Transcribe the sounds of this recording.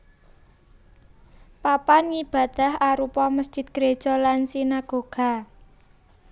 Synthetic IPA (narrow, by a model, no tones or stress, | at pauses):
papanŋib̥ä̤d̪̥a̤haɾupɔməsd̥ʒ̥ɪ̤t̪̚ɡ̥ɾe̥ʒ̥ɔ̤lansinaɡ̥o̤ɡ̥a̤